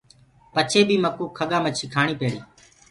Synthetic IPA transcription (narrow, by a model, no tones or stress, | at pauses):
pət͡ʃʰeːbiːməkːuːkʰːəɠãːmət͡ʃʃikʰaːɳ̃iːpeːɽiː